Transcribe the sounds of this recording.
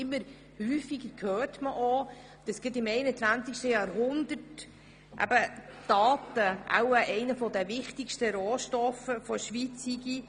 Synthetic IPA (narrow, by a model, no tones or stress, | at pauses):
ɪmːəɾ | hyːfiɡəɾkʰøːrtməʔɔ | əsɡ̥ɪt̬ɪmɛɪnət͡sʋænt͡sikʃtəjɑːɾɦʊnd̪ət | ʔæ̰b̥əd̥ɑːtəʔa̰wəʔɛɪnəfɔd̪əvɪχtikʃtəɾoːʃtɔfəfɔʃʋit͡siɡi